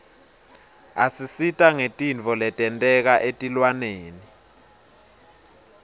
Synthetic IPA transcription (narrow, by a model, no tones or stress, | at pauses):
asisitʼaŋetʼint͡fɔlɛtʼɛntʼɛk̬aʔetʼilwaneːni